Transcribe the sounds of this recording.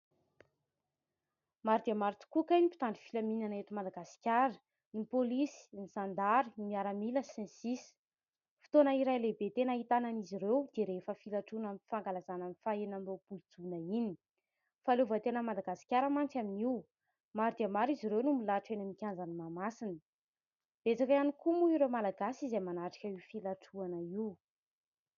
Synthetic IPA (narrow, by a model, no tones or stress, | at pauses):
maɾd̪iamaɾt̪u̥kukanipi̥t̪anɳɖ͡ʐi̥filaminanet̪umad̪aɡasi̥kʲaɾə̥ | nipolisi̥niz̥and̪aɾimiaɾamiləsɛ̃nsis | fi̥t̪onəiɾajlebet̪enəɦit̪ananiziɾewd̪̥eɾefəfilaʈ͡ʂunamifaŋɡalazananifaenambob̥uld͡zunaini̥ | faluvət̪enəmad̪aɡasi̥kʲaɾəmant͡saminiw | maɾid̪iəmaɾiziɾewnumilaʈ͡ʂenəmikʲand͡zanimamasinə̥ | b̥et͡sakajanikumuiɾewmalaɡasizemanaʈ͡ʂḁkʲəiwfilaʈ͡ʂuanəiw